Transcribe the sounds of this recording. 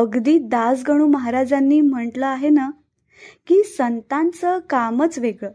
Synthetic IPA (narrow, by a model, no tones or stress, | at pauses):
əɡd̪iːd̪asɡəɽ̃uːməɦaɾad͡zanːiːm̤əɳʈləaɦenə | kiːsənt̪ãnt͡səkamət͡sʋeɡɭə